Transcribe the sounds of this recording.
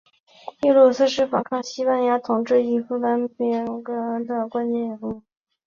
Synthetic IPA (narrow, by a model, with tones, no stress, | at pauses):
i˥˩lwɔ˥˩s̩˥˧ʂɻ̩˥˩fɑ̰˨˩ŋkʰɑ˥˩ŋɕi˥pa˥nja˥t̪ʰʊ˨˩ŋʈ͡ʂɻ̩˥˩i˧˥˩fu˥pa˥npɛ˥˩˧kɤ˥˩ə˧˥nd̪ə˧kwa˥nt͡ɕɛ˧˥jɛ˨˩nu˥˩